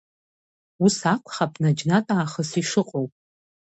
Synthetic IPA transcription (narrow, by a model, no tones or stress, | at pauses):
usakʷʰʼχapʼnad͡ʒnatʼaːχəsiʂɨqʼowpʼ